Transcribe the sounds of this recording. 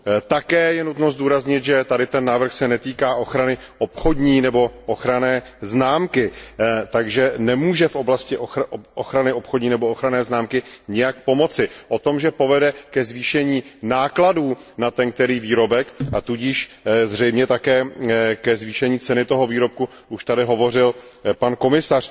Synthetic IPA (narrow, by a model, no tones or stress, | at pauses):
t̪akɛːjɛnut̪nozduːɾazɲɪt̪ʒɛt̪adɪt̪ɛnːaːvɾr̩xsɛnɛt̪iːkaːʔo̞xɾanɪ | ʔopxodɲiːnɛbo̞ʔoxɾanɛː | znaːmkɪt̪aɡʒɛnɛmuːʒɛfʔo̞blascɪʔoʔoxɾanɪʔo̞pxodɲiːnɛbo̞oxɾanɛːznaːmkɪɲɛjak̚po̞mo̞t͡sɪʔo̞t̪o̞mʒɛpo̞vɛdɛkɛzviːʃɛɲiːnaːkladuːnat̪ɛnk̚t̪ɛɾiːviːɾo̞bɛkʔat̪uɟiːʃzr̝ɛjmɲɛt̪akɛːkɛzviːʃɛɲiːt͡sɛnɪt̪o̞ɦo̞viːɾo̞p̚ku | uʃt̪adɪɦo̞vo̞r̝ɪlpanko̞mɪsar̝̥